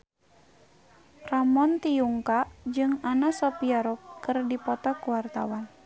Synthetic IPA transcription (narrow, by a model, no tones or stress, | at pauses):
ramɔnt̪ijuŋkad͡ʒɨŋanasɔpiaɾɔkːɨrdipɔt̪ɔkuwart̪awan